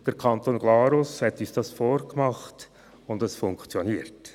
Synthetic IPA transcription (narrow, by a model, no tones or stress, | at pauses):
d̥ɛɾkʰɑntoːnɡlɑːɾʊshɛtyːsd̥ɑsfoːɾkmɑχt | ʊndɛsfʊŋkt͡sjoniːɾt